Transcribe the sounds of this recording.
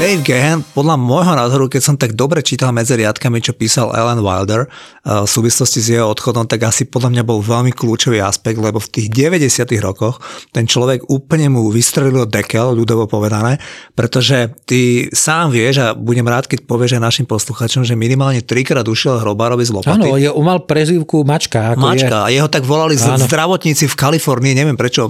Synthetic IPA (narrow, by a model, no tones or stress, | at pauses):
d̪̥ɛjvɡɛɦɛnpɔd̪lamɔjɦɔnaːzɔɾukɛcsɔmt̪aɡd̪ɔbɾɛt͡ʃiːt̪almɛd͡ziɾɪat̪kamit͡ʃɔpiːsalɛ̰lɛnʋa̰jld̪ɛɾ | fsuːʋislɔscizjɛɦɔɔt̪xɔd̪ɔmt̪aɡasipɔd̪lamɲabɔlʋɛʎmikluːt͡ʃɔʋiːa̰spɛɡ̚d̪lɛbɔft̪iːɣɟɛʋɛɟɛsɪat̪iɣɾɔkɔxt̪ɛnt͡ʃlɔʋɛɡuːpl̩ɲɛmuʋist̪ɾɛlilild̪ɛkɛlʎud̪ɔʋɔpɔʋɛd̪anɛːpɾɛt̪ɔʒɛt̪isaːmʋɪɛʒabuɟɛmɾaːt̪kɛc̚pɔʋɪɛʒajnaʃimpɔsluxaːt͡ʃɔmʒɛminimaːlɲɛt̪ɾikɾaːd̪uʃiɛlaɦɾɔbaɾɔbizlɔpanɔijɛumalpɾɛziʊkumat͡ʃkaakmmat͡ʃkaajɛɦɔt̪aɡʋɔlalizzd̪ɾaʋɔt̪ɲiːt͡sifkalifɔɾniːɲɛʋɪɛmpɾɛt͡ʃɔ